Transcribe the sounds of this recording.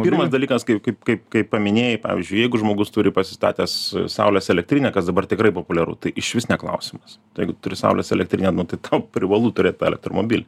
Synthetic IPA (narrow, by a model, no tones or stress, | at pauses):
irmɐsd̪ɐlʲiːkɐskɐɪpkɐɪpkɐɪpkɐɪppɐmʲɪnʲeːjɪpɑ̰ːʋʲɪ̰zʲd͡ʒʲʊɪjɛɪɡʊʒmoːɡʊst̪ʊɾʲɪpɐsʲɪ̥st̪ɑ̰ːt̪ʲɛssɐ̰ʊlʲɛsɛlʲɛk̚t̪ʲɾʲinʲɛːkɐsd̪ɐbɐrt̪ʲɪkrɐɪpoːpʊlʲɛɾʊ̰t̪ɐɪʔɪʃʋʲɪsʲnʲɛklˠɐ̰ʊsʲɪmɐs | jɛɪɡʊt̪ʊɾʲɪsɐ̰ʊlʲɛsɛlʲɛkt̪ʲɾʲinʲɛnʊt̪ɐɪt̪ɐʊpʲɾʲɪʋɐlˠuːt̪ʊɾʲeːt̪̚t̪ːɛlʲɛ̰k̚t̪ɾo̰mo̰bʲilʲ